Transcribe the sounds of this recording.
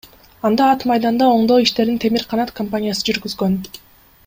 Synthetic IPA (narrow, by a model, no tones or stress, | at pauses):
ɑnd̪ɑːt̪mɑjd̪ɑnd̪ɑo̞ɴd̪o̞ːiʃt̪e̞ɾd̪int̪ʰe̞miɾqʰɑnɑt̪kʰompanʲijasɯd͡ʒyɾɡyzɡø̞n